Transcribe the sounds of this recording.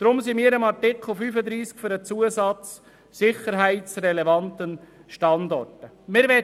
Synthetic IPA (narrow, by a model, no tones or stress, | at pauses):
d̪̥ɾʊmsimiːəɾəmɑɾtɪkχl̩fyːfəd̪ɾiːskføɾət͡suəsɑt͡sː | ɪχəɾɦæɪtt͡srɛlɛvɑnt̪ənʃtɑnd̪ɔrtə | mɪːɾvɛ